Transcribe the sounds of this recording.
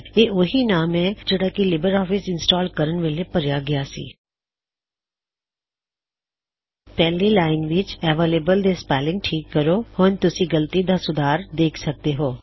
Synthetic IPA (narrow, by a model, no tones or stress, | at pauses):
eːʔʊɦinaːmɛ̃d͡ʒəɽakilɪbəɾɔːfɪsɪ̃nsʈɔːlkəɾənʋelepəɾjaɡɪjasḭː | pɛːlilaːɪnʋɪt͡ʃɛːʋeːleːbəld̪espɛːlɪ̃ŋɡʈʰiːkːəɾohoːnt̪ʊsĩɡəlt̪id̪asʊd̪ʱaːɾd̪eːkʰsək̚d̪eɦoː